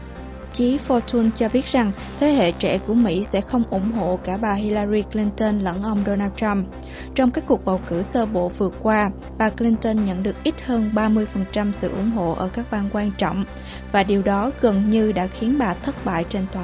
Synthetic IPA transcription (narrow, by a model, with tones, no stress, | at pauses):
t͡ɕi˨˦fɔ˧t̪ʰu˧nt͡ɕɔ˧ɓi˦˥ət̚za˨˩ŋ | t̪ʰe˨˦ɦḛ˧˨t͡ɕɛ̰˧˨ku˧˩əmḭ˧˥sɛ̰˧˥xə˧wŋ͡mʔʊ̰˧˩ŋ͡mɦo̰˧˨kaː˧˩ɓaː˨˩ɦi˧laː˧ɾi˧kli˧nt̪ə˧nlə̰˧˥nʔə˧wŋ͡mɗo˧naː˧wtt͡ɕa˧m | t͡ɕɔ˧wŋ͡mkaː˦˥kːu˨˩ək̚ɓa˨˩wkɨ˧˩səː˧ɓo̰˧˨vɨ˨˩əkkːwaː˧ | ɓaː˨˩kli˧nt̪ə˧nɲə̰˧˨nɗɨ˨˩ək̚ʔi˦˥t̚həː˧nɓaː˧mɨ˧əjfə˨˩nt͡ɕa˧msɨ̰˧˨ʔʊ̰˧˩ŋ͡mɦo̰˧˨ʔəː˧˩kaː˦˥k̚ɓaː˧˩nkwaː˧nt͡ɕɔ̰˧˨wŋ͡m | vaː˨˩ɗi˨˩əwɗɔ˨˦ɣə˨˩nɲɨ˧ɗa̰ː˧˥xi˨˦ənɓaː˨˩t̪ʰə˦˥t̚ɓa̰ː˧˨jt͡ɕe˧nt̪waː˨